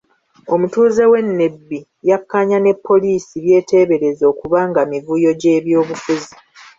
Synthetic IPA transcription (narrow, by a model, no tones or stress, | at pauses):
o̞mutuːze̞we̞nːe̞bːi | jakːaɲane̞pʰːo̞liːsiβje̞ːte̞ːβe̞ɾe̞zo̞ːkuβaːŋɡamivujo̞ɟe̞ːβjo̞ːβufuzi